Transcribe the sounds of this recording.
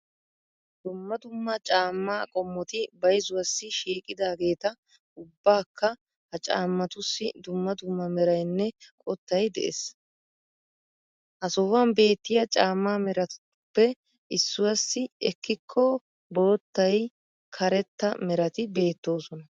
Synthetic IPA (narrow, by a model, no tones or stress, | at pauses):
d̪ʊmːɐd̪ʊmːɐt͡ʃʼaːmːaːkʼɔmːɔt̪ɪbɐjzʊwɐsːɪʃiːkʼɪd̪aːɡe̞ːt̪ɐ | ʊbːaːkːɐ | hɐt͡ʃʼa̰ːmːɐt̪ʊsːɪd̪ʊmːɐd̪ʊmːɐmɛɾɐjnːɛkʼɔt̪ːɐjd̪ɛ̰ʔḛs | hɐsɔwɐnbe̞ːt̪ːɪjɐt͡ʃʼaːmːaːmɛɾɐt̪ | pːɛ | ɪsːʊwɐsːɪɛkːɪkʰːɔ | boːt̪ːɐj | kʰɐɾɛt̪ːɐmɛɾɐt̪ɪbe̞ːt̪ːo̞ːsɔnɐ